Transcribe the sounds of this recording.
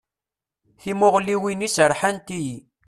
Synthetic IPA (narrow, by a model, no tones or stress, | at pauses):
θimʊʁliwinisəɾˤħant̪iji